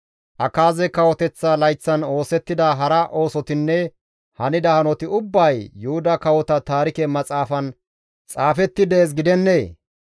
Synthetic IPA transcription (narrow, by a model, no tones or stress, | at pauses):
ʔɐkaːzɛkɐwɔt̪ɛt͡sːalɐjt͡sːɐno̞ːsɛt̪ːɪd̪aɦɐɾɐʔo̞ːsɔt̪ɪnːɛ | hɐnɪd̪ɐhɐnɔt̪ɪʊbːɐjːʊhʊd̪ɐkɐwɔt̪ɐt̪aːɾɪkɛmɐt͡sʼaːfɐn | t͡sʼaːfɛt̪ːɪd̪eːs̬ɡɪd̪ɛnːeː